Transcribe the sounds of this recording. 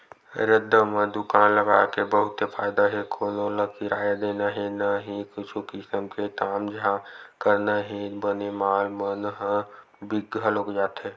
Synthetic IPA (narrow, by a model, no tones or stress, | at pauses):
ɾɪd̪ːəmẽd̪ʊkaːnləɡaːkebəɦʊt̪epʰa̰ːjd̪aɦɛkʰoːnoləkiɾaːjad̪eːnaɦɛnaɦĩkʊt͡ʃʰukɪsəmkekaːmd͡ʒəɦãkəɾnaɦibənemaːlmənɦ | bɪɡəloːkd͡ʒaːt̪ɦɛː